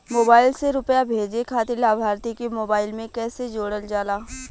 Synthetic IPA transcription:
moːbaːɪlseɾʊpjabʱeːd͡ʒekʰaːt̪elaːbʱaːɾt̪ikemoːbaːɪlmẽkɛːsed͡ʒoːɽəld͡ʒaːlaː

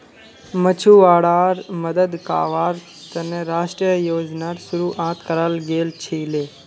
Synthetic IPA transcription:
mət͡ʃʰuːʋaːɽaːɾməd̪əd̪ka̰ːʋaːɾ | t̪ɐneɾaːʃʈɾijəjoːd͡ʒnaːɾsʊɾuːʔãːt̪kəɾalɡeːlt͡ʃʰeːleː

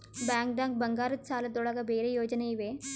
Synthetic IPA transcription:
baːŋk̚ɖãːŋk̚bɐŋɡaːɾɐt̪saːlɐd̪oɽaɡabeːɾejoːd͡ʒɐneiʋeː

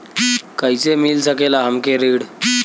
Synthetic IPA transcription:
kaisemilsəkelaɦəmkeɾiːɽ

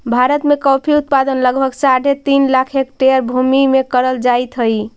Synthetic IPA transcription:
bʱaɾət̪mekɔpʰiut̪̚pad̪ənləɡbʱəɡsaɽʱet̪inlakʰekʈeəɾbʱumimekəɾəld͡ʒajt̪ɦəj

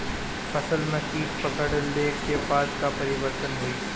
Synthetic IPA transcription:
fɐsəlmẽkiːkpɐkəɽəlːeːkebaːd̪kapɐɾɪʋəɾt̪ənɦʊiː

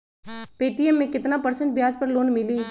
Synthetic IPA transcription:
peːʈiɛmːẽkɪt̪napɐɾsə̃ɳʈ̚bjaːd͡ʒpɐɾloːnmɪliː

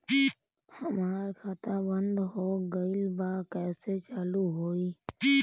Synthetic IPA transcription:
i | həmaːɾkʰat̪aːbənd̪ɦoːɡəɪlbaːkɛːset͡ʃaːluɦoːiː

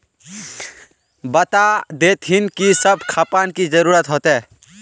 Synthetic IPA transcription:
bət̪ad̪et̪ɦinkisəbʱkʰapankid͡ʒəɾuɾət̪ɦot̪e

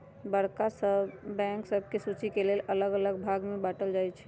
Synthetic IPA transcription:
bəɽkasəbbɛ̃ŋksəb̚ʱkesut͡ʃikelelʔələɡələɡbʱaɡmebaʈəld͡ʒajt͡ʃʰɛ̥

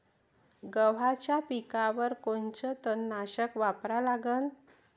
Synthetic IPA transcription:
ɡəʋ̤at͡ɕjapikaʋəɾkont͡ɕət̪ənːaɕəkʋapɾalaɡən

